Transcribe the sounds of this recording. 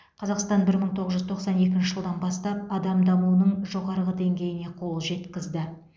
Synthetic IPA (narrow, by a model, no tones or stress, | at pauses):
qʰɑzɑqst̪ɑnbɪɾməɴt̪ʰo̞ʁəzʒʏzt̪ʰo̞qsɑne̞kʲɪnʃɪʒəlˠd̪ɑnbɑst̪ɑp̚ɑd̪ɑmd̪ɑmunəɴʒo̞ʁɑɾəʁəd̪e̞ŋɡʲe̞jɪne̞qʰo̞lˠʒe̞t̪kʲɪzd̪ɪ